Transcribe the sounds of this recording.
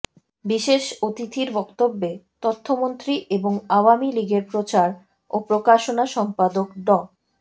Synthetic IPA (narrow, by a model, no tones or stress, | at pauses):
biʃeʃot̪it̪ʰiɾbɔkt̪obːet̪ɔt̪ʰːomont̪ɾiʔeboŋaoamiliɡeɾpɾot͡ɕaɾ | opɾokaʃonaʃɔmpad̪okɖɔ